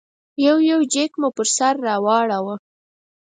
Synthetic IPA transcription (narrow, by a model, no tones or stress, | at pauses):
jawjawd͡ʒekmʊpəɾsaɾːɑwɑɽawə